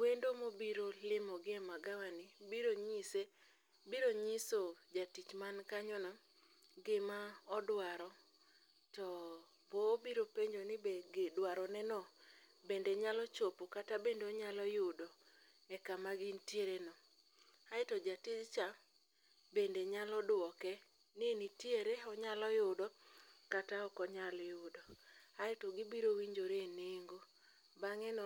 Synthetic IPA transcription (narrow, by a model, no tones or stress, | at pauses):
wendomobiɾolɪmɔɡɪɛmaɡawanɪbiɾoɲise | biɾoɲisod͡ʒatit͡ʃmankaɲɔnɔ | ɡɪmaɔdwaɾɔ | tɔ | pobiɾopeɲd͡ʒonɪbeɡedwaɾɔnɛnɔbendeɲalɔt͡ʃopokatabendoɲalɔjʊdɔ | ɛkamaɡintjeɾenɔ | aɪtɔd͡ʒatɪdt͡ʃa | bendeɲalɔdwɔkɛ | nienitieɾeɔɲalɔjʊdɔkataɔkɔɲaljʊdɔaɪtɔɡɪbiɾowiɲd͡ʒoɾeeneŋɡo | baŋɛnɔ